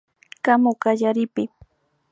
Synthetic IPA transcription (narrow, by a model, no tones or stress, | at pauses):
kamokaʎaɾɪpɪ